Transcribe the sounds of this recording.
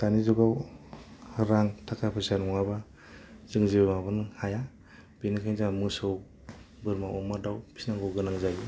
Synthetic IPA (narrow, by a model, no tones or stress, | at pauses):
tanizɔɡaw | hɯɾaŋtʰakʰapʰɯsanɔŋaba | zɯŋzibamabɯnhaja | benikʰajnzamɯsɯw | bɯɾmawɔmadawpʰi̥snaŋɡɯwɡɯnaŋzaji